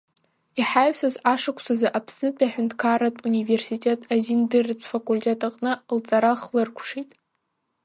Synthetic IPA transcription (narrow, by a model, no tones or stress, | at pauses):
iħajɥsazaʂɨkʷʰsazaʔapʰsnɨpʼaħᶣʊntʰʼkʰaɾatʼunive̞rsitʼetʼazindɨrtʷʰʼfakʼulʲtʲʰʼetʼaqʼnɨlt͡sʼaɾaχlɨrkʷʰʂitʼ